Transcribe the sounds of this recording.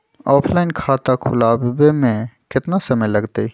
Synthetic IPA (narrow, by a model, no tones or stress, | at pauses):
ɔːpʰlaːɪnkʰaːt̪akʰʊlaːbbemẽkɪt̪nasɐməjlɐɡt̪ei